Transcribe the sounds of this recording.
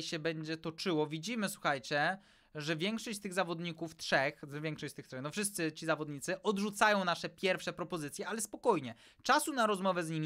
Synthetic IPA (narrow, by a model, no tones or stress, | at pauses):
ɕɛbɛɲd͡ʑɛt̪ɔt͡ʂɘwɔvʲid͡ʑimɘswuxajt͡ɕɛ | ʐɛvʲjɛŋkʂɔɕt͡ɕt̪ɘɣzavɔd̪ɲikuft̪ʂɛxvʲjɛŋkʂɔɕt͡ɕt̪ɘxt̪ʂɛxnɔfʂɘst̪sɘt͡ɕizavɔd̪ɲit̪sɘʔɔd̪ʐut̪sajɔ̃w̃naʂɛpʲjɛɾfʂɛpɾɔpɔzɘt̪sʲjɛalɛspɔkɔjɲɛ | t͡ʂasunaɾɔzmɔvɛzɲimʲ